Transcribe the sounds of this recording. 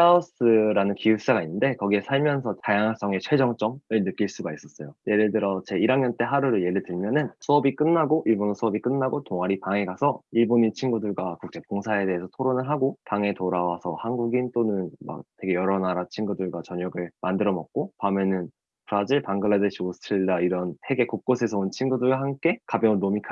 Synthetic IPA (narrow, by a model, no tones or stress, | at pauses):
aos͈ɯɾanɯnkiup̚s͈aɡainːɯnde̞kʌɡie̞sʰaɭmjʌnsʰʌtajaŋs͈ʌŋe̞t͡ɕʰwe̞d͡ʑʌŋt͡ɕ͈ʌŋɯɭnɯk͈iɭs͈uɡais͈ʌs͈ʌjoje̞ɾɯɭdɯɾʌt͡ɕe̞iɾaŋɲʌnt͈e̞ɦaɾuɾɯɭje̞ɾɯɭtɯɭmjʌnɯnsʰuʌbik͈ɯnːaɡoʔiɭbonosʰuʌbik͈ɯnːaɡotoŋaɾipaŋe̞ɡasʰʌiɭboɲit͡ɕʰinɡudɯɭɡwakuk̚t͡ɕ͈e̞pkoŋsʰae̞te̞ɦesʰʌtʰoɾonɯɭɦaɡopaŋe̞toɾawasʰʌ̰hanɡuɡint͈onɯnma̰k̚te̞ɡe̞jʌɾʌnaɾat͡ɕʰinɡudɯɭɡwat͡ɕʌɲʌɡɯɭmandɯɾʌmʌk̚k͈opamjʌnɯn | pʰɯɾad͡ʑiɭpaŋɡɯɭːadɯɕʰiosʰɯ̥tʰɯɾiɭdaiɾʌnhe̞ɡe̞kok̚k͈osʰe̞sʰʌont͡ɕʰinɡudɯɭɡaɦamk͈e̞kabjʌɯnːomikʰ